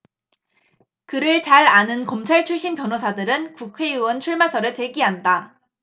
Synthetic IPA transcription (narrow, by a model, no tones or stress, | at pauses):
kɯɾɯɭt͡ɕaɾanɯnkʌmt͡ɕʰaɭt͡ɕʰuɭɕ͈inpjʌnɦosʰadɯɾɯnkukʰwe̞juwʌnt͡ɕʰuɭmasʰʌɾɯɭt͡ɕeɡiɦanda